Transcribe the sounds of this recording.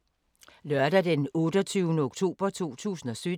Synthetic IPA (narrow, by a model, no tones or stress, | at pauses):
lœɐd̥æd̥enɔ̽ːd̥ɒt͡sʰyːʊnəoɡ̥t͡sʰo̝̰ːb̥ɐt͡sʰo̝̰ːt͡sʰṵːsn̩ɒ̽sø̥